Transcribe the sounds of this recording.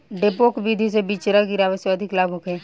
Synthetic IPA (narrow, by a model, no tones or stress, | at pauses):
ɖepoːkbid̪ʱisebiːt͡ʃɾaɡiɾaːʋəsjoɐd̪ʱɪklaːɡũkɦɛː